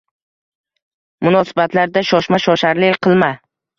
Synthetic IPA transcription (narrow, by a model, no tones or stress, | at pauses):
mʊnɒsɪbat̪ʰlaɾd̪aʃɒʃmaʃɒʃaɾlɪqʰɨlˠma